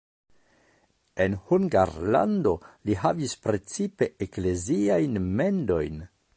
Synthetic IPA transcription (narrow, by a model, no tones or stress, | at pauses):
e̞nhuŋɡaɾla̰ndo̞liɦavispɾe̞t͡sipe̞ekle̞ziajnme̞ndo̞jn